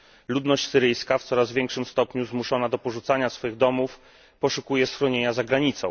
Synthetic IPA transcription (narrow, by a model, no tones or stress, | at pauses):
lud̪nɔɕt͡ɕʲsɘɾɘjskaft̪sɔɾazvʲjɛŋkʂɘmst̪ɔpɲuzmuʂɔnad̪ɔpɔʐut̪saɲasfɔjiɣd̪ɔmuf | pɔʂukujɛsxɾɔɲeɲazaɡɾaɲit̪sɔ̃w̃